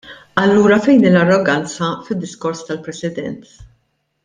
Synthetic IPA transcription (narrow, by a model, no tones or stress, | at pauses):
ɐlːuːɾɐfɛjnɪlɐrːɔɡɐnt͡sɐfɪd̪ːɪskɔɾst̪ɐlpɾɛsɪd̪ɛ̰nt̪